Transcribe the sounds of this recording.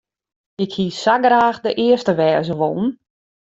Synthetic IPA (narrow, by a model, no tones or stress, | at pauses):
ɪkhiːsaɡraːxdəʔɪəstəʋɛːzəʋo̰ːn̩